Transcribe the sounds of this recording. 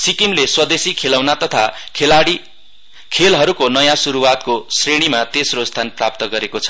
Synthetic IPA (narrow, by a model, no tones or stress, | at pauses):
sikimleswʌd̪esikʰelawnat̪ʌt̪ʰakʰelaɽi | kʰelɦʌɾukonʌjãsuɾuwat̪kosreɽ̃imat̪esrost̪ʰanprap̚t̪ʌɡʌɾekot͡sʰʌ̥